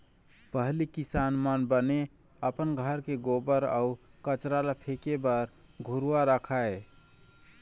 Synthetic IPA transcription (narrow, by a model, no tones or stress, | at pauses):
pəɦlikisanmənbəne | əpənɡʱəɾkeɡobəɾa̰ukət͡ʃɾalapʰekebəɾ | ɡʱuɾuwaɾəkʰae